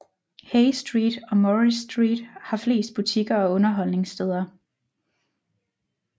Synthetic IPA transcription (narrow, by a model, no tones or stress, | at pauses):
heɪsd̥ʁiːd̥ɒ̽mɒʁisd̥ʁḭːd̥hɑ̈fle̝̰ːsd̥̚b̥ut͡sʰiɡ̥ɐɒ̽ɔ̽nɐɦɒ̽l̰ne̝ŋsd̥eð̞ˠɐ